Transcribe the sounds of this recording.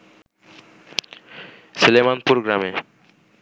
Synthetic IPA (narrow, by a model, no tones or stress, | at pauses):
selemanpuɾoɡɾame